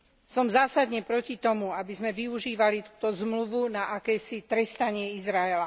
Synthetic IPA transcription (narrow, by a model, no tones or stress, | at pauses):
sɔmzaːsad̪ɲɛpɾɔcit̪ɔmuabizmɛʋiuʒiːʋalit̪uːt̪ɔzmluʋunaʔakɛːsit̪ɾɛst̪aɲɪɛizɾaɛla